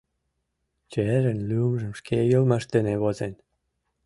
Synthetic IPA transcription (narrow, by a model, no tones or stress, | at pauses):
t͡ɕeeɾənlymʒə̆mʃkejolmɑʃt̪ĕneβozen